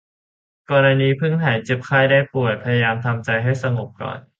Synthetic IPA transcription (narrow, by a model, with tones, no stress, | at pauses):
kɔː˧ɾa˧niː˧˥pʰɯ˥˩ŋt̪ʰaː˩˦nt͡ɕe˨˦˩p̚kʰaː˥˩jdaː˥˩jpu˨˩əj̚pʰa˧ja˧jaː˧mt̪ʰa˧mt͡ɕa˧jɦa˥˩jsa˧ŋo˨˩p̚kɔ̰ː˨˩n